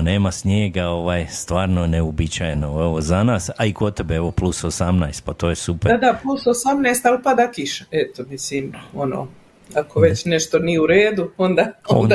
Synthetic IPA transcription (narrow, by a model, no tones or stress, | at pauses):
neːmasɲeːɡaoʋaːjst̪ʋaːɾnoneobit͡ɕajnoeʋozanaːsaikot̪ebeeʋo̞plˠusosamnajst̪̚pat̪oːjesuped̪aplˠusosamnajst̪alpad̪akiʃaɛt̪omisiːmono̰ː | akoʋet͡ɕneʃt̪onijeuɾeːd̪uond̪aːoo